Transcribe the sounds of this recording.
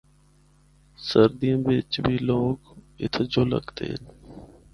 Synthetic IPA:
səɾd̪ijãːbɪt͡ʃbʱiːloːɡɪ̰t̪ʰd͡ʒoːlə̰ɡt̪ḛːn

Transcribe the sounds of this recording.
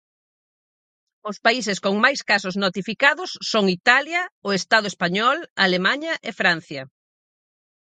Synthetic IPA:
ʊspais̬ɪskoŋmajskasʊznot̪ifikaðʊsːoŋit̪aljɐʊest̪aðʊespaɲɔlalemaɲɐʔefɾan̟θjɐ

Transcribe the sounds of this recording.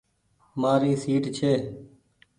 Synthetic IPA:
maːɾiːsiːʈt͡ʃʰeː

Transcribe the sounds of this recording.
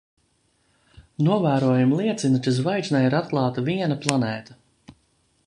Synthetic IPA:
nuɔvæːɾuɔjumlˠiɛt̪sinut͡ʃ̪ɨzvajt̪naiɾat̪̚klˠɑːt̪aviɛnɐplˠanɛːt̪a

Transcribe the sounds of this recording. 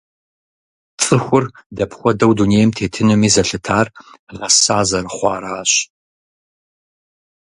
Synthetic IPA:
t͡sʼɨxʷʊrdɐpʰχʷɔdɐwduneːjɛmtʰeːtʰɨnɨmiːzɐɬɨtʰaːrʁɐsaːzɐrɨχʷɑ̰ːɾaːɕ

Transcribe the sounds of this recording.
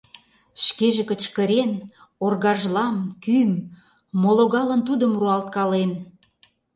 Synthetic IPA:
ʃkeʒekə̆t͡ɕkə̆ɾen | orɣɑʒlɑmkymː | oloɣɑlənt̪ud̪əmruɑlt̪̚kɑlen

